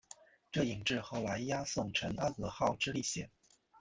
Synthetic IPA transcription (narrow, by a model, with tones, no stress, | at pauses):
ʈ͡ʂɤ˥˩i˨˩ŋʈ͡ʂɻ̩˥˧xo˥˧˩ʊla˧˥ɪja˥sʊ˥˩ŋʈ͡ʂʰə˧˥na˥kɤ˧˩xɑ˥˩ʊʈ͡ʂɻ̩˥li˥˩ɕjɛ̰˨˩˦n